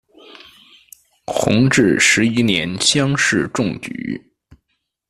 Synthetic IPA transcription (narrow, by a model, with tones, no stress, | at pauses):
xʊ̰˧˥ŋʈ͡ʂɻ̩˥˩ʂɻ̩˧˥i˥njɛ˧˥nɕjɑ˥ŋʂɻ̩˥˧ʈ͡ʂʊ˥˩ŋt͡ɕy̰˨˩˦